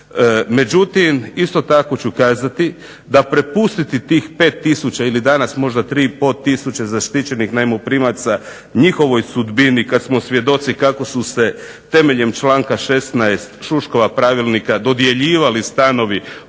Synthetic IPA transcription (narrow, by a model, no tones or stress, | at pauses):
me̞d͡ʑut̪imist̪o̞t̪ako̞t͡ɕukaːzat̪i | d̪apɾe̞pust̪it̪it̪iːxpe̞ːt̪ːisut͡ɕailid̪anasmo̞ʒd̪at̪ɾiːpo̞t̪ːisut͡ɕezaʃt̪it͡ɕe̞nixnajmopɾimat̪sa | ɲixo̞ʋo̞jsud̪binikad̪smo̞sʋje̞d̪o̞t̪sikako̞suse̞ | t̪e̞me̞ʎe̞mt͡ʃlaːŋkaʃe̞st̪naest̪ʃuʃko̞ʋapɾaːʋilˠnikad̪o̞d̪je̞ʎiːʋalist̪ano̞ʋi